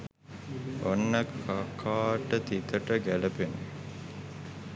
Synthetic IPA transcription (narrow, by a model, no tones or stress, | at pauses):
onːəkakʰaːʈət̪it̪əʈəɡæləpenə